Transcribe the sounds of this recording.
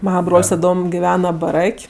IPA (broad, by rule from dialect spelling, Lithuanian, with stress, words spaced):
ˈmɑːnɐ ˈbroːlʲsʲ tɐˈdoːm ɡʲɪˈʋʲæːnɐ bɐˈrɐkʲ